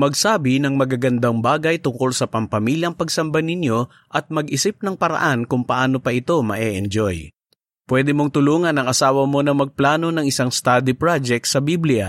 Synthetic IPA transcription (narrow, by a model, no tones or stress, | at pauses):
mɐɡsaːbɪnɐŋmɐɡaɡɐnd̪aŋbaːɡɐjt̪ʊŋko̞lsɐpɐmpɐmiːljɐŋpɐɡsɐmbanɪnjo̞ | ʔɐt̪̚mɐɡʔɪsɪp̚nɐŋpɐɾɐ̰ʔankʊŋpɐʔaːno̞pɐʔɪt̪o̞mɐʔɛʔɛnd͡ʒoj | pwɛd̪ɪmoŋt̪ʊluːŋɐnɐŋʔɐsaːwɐmo̞nɐmɐɡ̚plaːno̞nɐŋɪsaŋst̪aːd̪ɪpɹad͡ʒɛk̚t̪sɐbiblɪjɐ